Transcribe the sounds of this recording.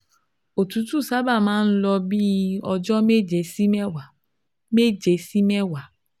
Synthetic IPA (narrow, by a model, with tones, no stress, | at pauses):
o˨tu˨˦tu˦˨sa˦ba˦˨mãː˦n̩˦lɔ˧bi˦ɔ˧d͡ʒɔ˦me˦d͡ʒe˨si˦mɛ˦wa˨ | me˦d͡ʒe˨si˦mɛ˦wa˨